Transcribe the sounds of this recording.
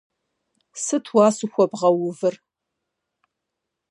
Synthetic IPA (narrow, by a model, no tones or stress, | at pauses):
sɨtʰwɑːsɨxʷɔbʁɐwʊvɨr